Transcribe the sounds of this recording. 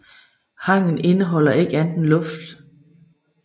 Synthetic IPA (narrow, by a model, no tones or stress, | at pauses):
hɑ̈ŋ̰n̩e̝nəɦɒ̽l̰ɐe̝ɡ̥əænd̥n̩lɔ̽fd̥